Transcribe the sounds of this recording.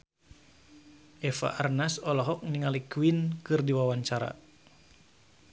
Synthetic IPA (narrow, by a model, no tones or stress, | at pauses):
ʔɛfa̰ʔarnasɔlɔɦɔk̚niŋalikwinkɨrdiwawaɲt͡ʃaɾa̰